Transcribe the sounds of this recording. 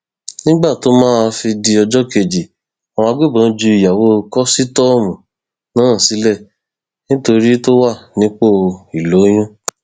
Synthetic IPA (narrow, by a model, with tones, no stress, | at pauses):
nĩ˦ɡ͡ba˦˨to˨˦mãː˦a˧fi˧di˧ɔ˧d͡ʒɔ˦ke˧˨d͡ʒi˨ | a˨w̃ɔ̃˧a˧ɡo˦˨bã˨˦d͡ʒu˧i˨ja˨wo˦kɔ˦si˦tɔ˦˨mũ˨ | nãː˨˦˨si˨˦lɛ˦˨ | nĩ˦to˧ɾi˦to˦wa˦˨nĩ˦k͡po˦˨˧i˨lo˨˦j̃ũ˦